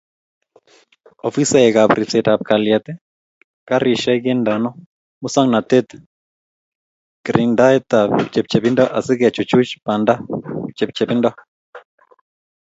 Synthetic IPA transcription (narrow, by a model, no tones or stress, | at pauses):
ɔ̰fisaɛkaβɾit͡sɛtap̚kaljat̪ɛ | kaɾiʃaiɣɛndanɔ | musaŋnatɛt̪ | kɾindaɛtaβt͡ʃɛp̚t͡ʃɛβindaʔasiɣɛt͡ʃut͡ʃut͡ʃpandat͡ʃɛp̚t͡ʃɛβinda